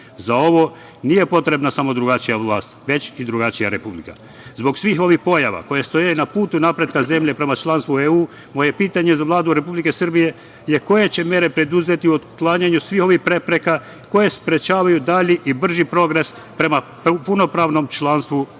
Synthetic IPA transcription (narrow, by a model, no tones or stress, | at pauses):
zao̞ʋo̞ | nije̞po̞t̪ɾe̞bnasamo̞d̪ɾuɡat͡ʃijaʋlˠaːst̪ʋe̞t͡ɕid̪ɾuɡat͡ʃijaɾe̞publika̰ | zbo̞ɡsʋiːɦo̞ʋihpo̞jaʋa̰ko̞jest̪o̞jajunapuːt̪unapɾe̞d̪̚kaze̞mʎe̞pɾe̞mat͡ʃlˠaːnst̪ueuː | moje̞piːt̪aɲe̞zaʋlˠaːd̪uɾe̞publike̞srbije̞ | jeko̞je̞t͡ɕe̞mje̞ɾe̞pɾe̞d̪uze̞t̪iuod̪klˠaɲaɲusʋiːho̞ʋihpɾe̞pɾe̞ka | ko̞je̞spɾe̞t͡ʃaːʋajud̪aʎiʔibr̩ʒipɾo̞ɡɾe̞s | pɾe̞mappuno̞pɾaːʋno̞mt͡ʃlˠaːnst̪ʋu